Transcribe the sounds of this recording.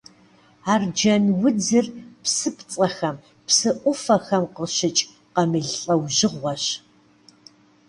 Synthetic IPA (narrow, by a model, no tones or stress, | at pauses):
aːrd͡ʒɐnwʊd͡zɨrpsɨpt͡sʼɐxɐm | psɨʔʷʊfɐxɐmqəɕɪt͡ʃʼ | qɐmɨɮɬʼɐwʒɪʁʷɔɕ